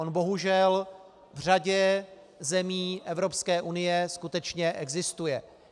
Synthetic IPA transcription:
onbo̞ɦuʒɛl | vr̝aɟɛ | zɛmiːʔɛvɾo̞pskɛːʔunɪjɛskut̪ɛt͡ʃɲɛʔɛɡzɪst̪ujɛ

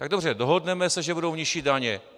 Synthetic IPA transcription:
t̪aɡdobr̝ɛdoɦodnɛmɛsɛʒɛbudowɲɪʃidaɲɛ

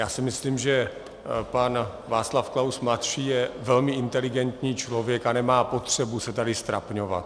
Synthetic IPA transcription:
jaːsɪmɪsliːmʒɛ | pan | vaːt͡slafklawsmlat̪ʃiːjɛvɛlmɪʔɪnt̪ɛlɪɡɛnt̪ɲiːt͡ʃlo̞vjɛkanɛmaːpo̞t̪r̝̥ɛbusɛt̪adɪst̪ɾapɲova̰t̪

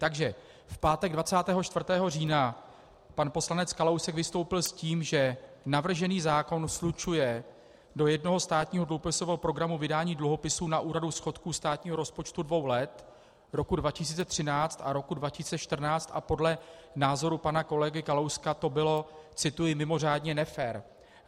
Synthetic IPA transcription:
t̪aɡʒɛ | fpaːt̪ɛɡdvat͡saːt̪ɛːɦo̞t͡ʃt̪vr̩t̪ɛːɦo̞riːna | panpo̞slanɛt͡skalowsɛkvɪst̪o̞wpɪlsciːmʒɛnavr̩ʒɛniːzaːko̞nslut͡ʃujɛ | do̞jɛdno̞ɦo̞st̪aːt̪ɲiːɦo̞dluɦopɪsovɛɦopɾo̞ɡɾamuvɪdaːɲiːdluɦo̞pɪsuːnaʔuːɾadusxo̞t̪kuːst̪aːt̪ɲiːɦo̞ɾo̞spo̞t͡ʃt̪udvo̞wlɛt̪ | ɾo̞kudvacɪs̬iːt͡sɛt̪r̝̥ɪnaːt͡st̪ʔaɾo̞kudvacɪsiːt͡sɛt͡ʃt̪r̩naːt͡st̪ʔa̰po̞dlɛnaːzo̞ɾupanako̞lɛɡɪkalowskat̪o̞bɪlo̞t͡sɪt̪ujɪmɪmo̞r̝aːdɲɛnɛfɛːɾ

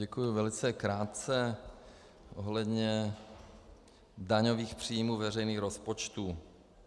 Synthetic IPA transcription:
ɛkujʊvɛlɪt͡sɛkɾaːt̪t͡sɛ | ʔoɦlɛdɲɛ | daɲoviːxpr̝̥iːjmuːvɛrɛjniːxɾospot͡ʃt̪uː

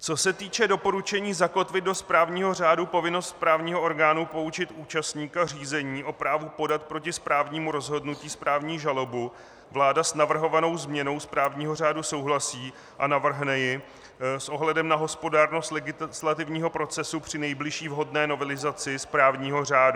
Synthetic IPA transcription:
t͡so̞sɛt̪iːt͡ʃɛdo̞po̞ɾut͡ʃɛɲiːzako̞t̪vɪd̪̚do̞spɾaːvɲiːɦo̞r̝aːdupo̞vɪnost̪̚pɾaːvɲiːɦo̞ʔoɾɡaːnupo̞ut͡ʃɪt̪uːt͡ʃast̪ɲiːkar̝iːzɛɲiːʔo̞pɾaːvupo̞dat̪̚pɾo̞cɪspɾaːvɲiːmuɾo̞zɦo̞dnuciːspɾaːvɲiːʒalo̞bu | vlaːdasnavr̩ɦo̞vano̞wzmɲɛno̞wspɾaːvɲiːɦo̞r̝aːduso̞wɦlasiː | ʔanavr̩ɦnɛjɪ | sʔo̞ɦlɛdɛmnaɦo̞spo̞daːɾno̞st̪lɛɡɪslat̪ɪvɲiːɦo̞pɾo̞t͡sɛsupr̝̥ɪnɛjblɪʃiːvɦo̞dnɛːno̞vɛlɪzat͡sɪspɾaːvɲiːɦo̞r̝aːdu

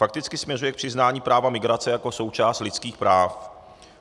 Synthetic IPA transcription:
fak̚t̪ɪt͡skɪsmɲɛrujɛkpr̥ɪznaːɲiːpɾaːvamɪɡɾat͡sɛjako̞so̞wt͡ʃaːst̪lɪt͡skiːxpɾaːf

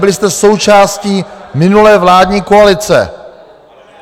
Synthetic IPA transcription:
bɪlɪst̪ɛso̞wt͡ʃaːsciːmɪnulɛːvlaːdɲiːkoalɪt͡sɛ̰

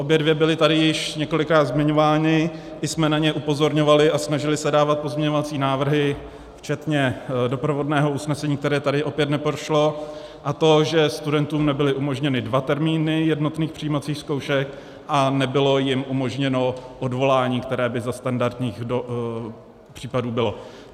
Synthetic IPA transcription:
ʔo̞bjɛdvjɛbɪlɪt̪adɪjɪʃɲɛko̞lɪkɾaːd̪zmɪɲo̞vaːnɪ | ʔɪsmɛnaɲɛʔupo̞zo̞ɾɲo̞valɪʔasnaʒɪlɪsɛdaːvat̪̚po̞zmɲɛɲo̞vat͡siːnaːvr̩ɦɪ | ft͡ʃɛt̪ɲɛdo̞pɾo̞vo̞dnɛːɦo̞ʔusnɛsɛɲiːk̚t̪ɛɾɛːt̪adɪʔo̞pjɛt̪nɛpɾoʃlo̞ | ʔat̪o̞ʒɛst̪udɛnt̪uːmnɛbɪlɪʔumo̞ʒɲɛnɪdvat̪ɛɾmiːnɪjɛdno̞t̪niːxpr̥ijiːmat͡siːxskowʃɛk | ʔanɛbɪlo̞jɪmʔumo̞ʒɲɛno̞ʔo̞dvo̞laːɲiːkt̪ɛɾɛːbɪzast̪andaɾd̪ɲiːxdo | pr̝̥iːpaduːbɪlo̞

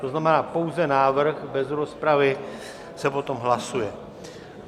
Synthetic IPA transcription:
t̪oznamɛnaːpo̞wzɛnaːvr̩ɣbɛzɾo̞spɾavɪ | sɛpo̞t̪o̞mɦlasujɛ

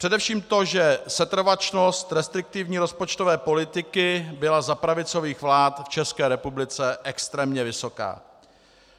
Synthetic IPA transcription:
pr̥ɛdɛfʃiːmt̪o̞ʒɛsɛt̪r̩vat͡ʃno̞st̪ɾɛst̪ɾɪk̚t̪ɪvɲiːɾo̞spot͡ʃt̪ovɛːpo̞lɪt̪ɪkɪbɪlazapɾavɪt͡so̞viːxvlaːt̪ft͡ʃɛskɛːɾɛpublɪt͡sɛʔɛkst̪ɾɛːmɲɛvɪso̞ka̰ː

